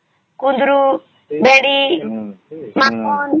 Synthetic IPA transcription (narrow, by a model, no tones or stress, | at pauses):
kund̪ɾu | beɽi | makːɔn